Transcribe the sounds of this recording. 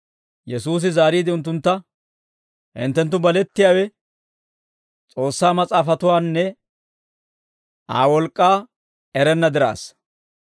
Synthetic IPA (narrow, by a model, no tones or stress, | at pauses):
jɛsuːs̬ɪzaːɾiːd̪ɪʊnt̪̬ːʊnt̪ːɐ | ʔɪ̰nt̪ːɛnt̪̬ːʊbɐlɛt̪ːɪjaːwɛ | t͡sʼo̞ːsːaːmɐt͡sʼaːfɐt̪ʊwaːnːɛ | ʔa̰ːwɔlkʼːaː | ɛɾɛnːɐd̪ɪɾa̰ːs